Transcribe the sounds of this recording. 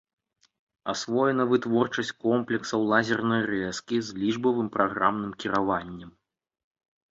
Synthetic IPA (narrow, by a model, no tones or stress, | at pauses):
asvɔjɛnɐvɨt̪vɔrt͡ʂɐsʲt͡sʲkɔmplʲɛksɐwlˠazʲɛrnɐjrɛskʲizlʲiʐbɐvɨmpɾʔaɣɾamn̪ɨmkʲiɾavanʲːɛm